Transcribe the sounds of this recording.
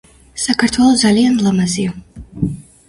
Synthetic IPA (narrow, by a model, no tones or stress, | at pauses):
sakʰaɾt̪ʰwɛlˠɔd̪zalianlˠamazia